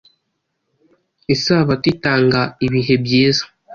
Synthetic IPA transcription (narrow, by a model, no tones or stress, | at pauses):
esaβatitaːŋɡaiβiɦe̞bjeːzḁ